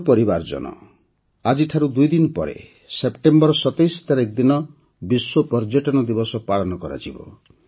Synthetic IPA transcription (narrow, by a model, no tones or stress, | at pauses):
pɔɾibaɾd͡ʒɔ̰nɔ̰ | ad͡ʒiʈʰaɾud̪ujd̪inɔpɔ̰ɾḛ | sepʈembɔɾɔsɔt̪ejst̪ʰaɾek̚d̪inɔ | biswopɔɾd͡ʒeʈɔnɔd̪ibɔsɔpaɭɔnɔkɔɾa̰d͡ʒibɔ̰